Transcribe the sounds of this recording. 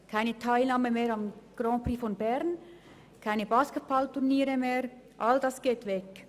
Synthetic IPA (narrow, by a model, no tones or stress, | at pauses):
kʰaɪnətʰaɪlnɑːməmeːɾɑmɡ̥ɾɔ̃ːpɾifɔnbɛɾn | kʰaɪnəbɑːsket̚b̥ɑlt̪uʁniːɾəmeːʁ | ʔɑldɑsɡ̥eːt̪vɛk